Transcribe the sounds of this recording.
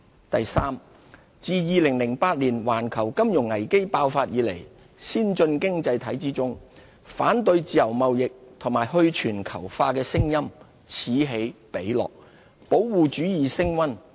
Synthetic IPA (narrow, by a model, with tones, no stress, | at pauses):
t̪ɐ˨jsaː˥m | t͡siː˨˧jiː˧lɪ˨˩ŋlɪ˨˩ŋpaː˧t̚liː˨˩nwaː˨˩nkʰɐ˨˩wkɐ˥mjʊ˨˩ŋɐ˨˩jke˥jpaː˧wfaː˧t̚jiː˨˥lḛ˨˩j | siː˥nt͡sɵ˧nkɪ˥ŋt͡sɐ˧jt̪ʰɐ˨˥jt͡siː˥t͡sʊ˥ŋ | faː˨˥nt̪̬ɵ˧ɥt͡siː˧jɐ˨˩wmɐ˨wjɪ˨k̚t̪ʰʊ˨˩ŋmaː˨˩jhɵ˧ɥt͡ʃʰyː˨˩nkʰɐ̰˨˩wfaː˧kɛː˧sɪ˥ŋjɐ˥m | t͡sʰiː˨˥ɦe˨˥jpe˨˥jlɔ̰ː˨k̚ | po˨˥wwuː˨˧t͡ʃyː˨˥jiː˨sɪ˥ŋwɐ˥n